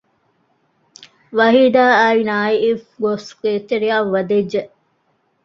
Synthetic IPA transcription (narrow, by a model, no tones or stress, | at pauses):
ʋɐɦiːd̪aːɐinaːiifɡosket̪eɾiaːʋɐd̪ed͡ʒːeʔ